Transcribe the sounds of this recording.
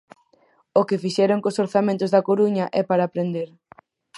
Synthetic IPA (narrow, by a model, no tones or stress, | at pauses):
ʊkɪfiʃɛɾoŋkosoɾθamẽnt̪ʊzðɐkoɾuɲɐʔɛpaɾaːpɾend̪eɾ